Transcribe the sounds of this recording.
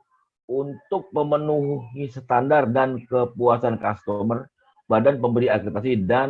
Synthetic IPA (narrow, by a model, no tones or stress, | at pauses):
unt̪ʊk̚pəmənuɦɦisə̥t̪andardankəpuasankast̪omər | badanpəmbəɾiakɾit̪asidan